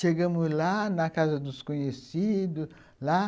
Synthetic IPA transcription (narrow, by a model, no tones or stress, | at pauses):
ʃeɡɐ̃mʊzlanɐkazɐd̪ʊskõɲesid̪ʊ | la